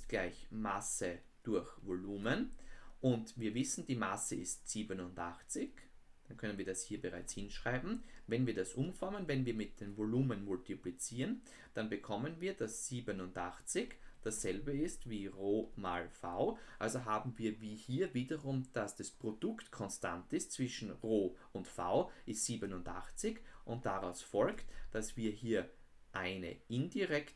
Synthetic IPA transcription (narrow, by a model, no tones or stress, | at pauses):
ɪst̚ɡ̥laɪçmasə | d̥ʊɐçvoluːmənʔʊntviːɐvɪsn̩d̥iːmasəɪstz̥iːbənʊntʔaχt͡sɪçd̥ankʰœnənviːɐdashiːɐbəʁa̰ɪt͡shɪnʃʁ̥aɪbm̩vɛnviːɐdasʔʊmfamənvɛnviːɐmɪt̚d̥eːnvoluːmənmʊltiplit͡siːʁən | d̥anbəkʰɔmənviːɐd̥asz̥iːbənʊndʔaχt͡sɪçd̥asz̥ɛlbəɪstviːʁoːma̰ːlfa̰ʊʔalzoɦaːbm̩viːɐviːhiːɐviːdɐʁʊmd̥asd̥aspʁ̥odʊktkʰɔnsta̰ntɪst̚t͡sv̥ɪʃn̩ʁoːʊntfa̰ʊʔɪstz̥iːbənʊndʔa̰χt͡sɪçʔʊntd̥aʁaʊsfɔlktd̥asv̥iːɐhiːɐ | ʔaɪnə̰ʔɪndiʁɛkt